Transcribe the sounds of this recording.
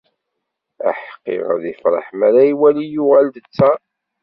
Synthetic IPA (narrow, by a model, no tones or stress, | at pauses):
æ̰ħqːḛʁə̰ðəfɾˤɑ̰ħmæɾæiwælijʊʁæld̪ət͡sːæ